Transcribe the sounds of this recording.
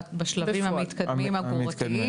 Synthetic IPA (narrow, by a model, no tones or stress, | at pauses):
baʃlɐvimhamit̪kɐdmmimhaɡat̪i